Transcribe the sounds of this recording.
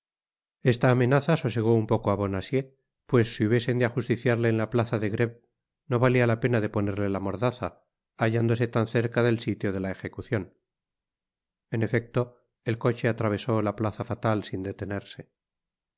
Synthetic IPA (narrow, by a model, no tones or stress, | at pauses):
e̞st̪aːme̞naθaso̞seɣ̞o̞umpo̞koaβo̞nasje̞ | pwe̞sːiuβjese̞nd̪eaxust̪iθjaɾle̞ːnlaplaθaðe̞ɣɾe̞β̚ | no̞βalialape̞naðe̞po̞ne̞ɾle̞lamo̞ɾðaθaː | ʝand̪o̞se̞t̪anθe̞ɾkaðe̞lsit̪jo̞ð̞e̞laexe̞kuθjo̞n | e̞ne̞fe̞k̚t̪o̞ | elko̞t͡ʃe̞at̪ɾaβ̞e̞so̞laplaθafat̪alsind̪e̞t̪e̞ne̞ɾse̞